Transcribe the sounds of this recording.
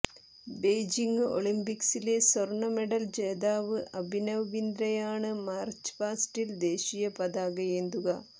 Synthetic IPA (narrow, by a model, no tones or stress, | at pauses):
be̞jd͡ʑiŋɡɨo̞̰ɭimbiksile̞sorɳɐmeɽɐld͡ʑeːd̪aːʋɨʔɐbʱinɐʋʋind̪ɾɐjaːɳɨmaːrt͡ɕpaːsʈild̪e̞ːɕijɐpɐd̪aːɣɐjend̪uɣɐ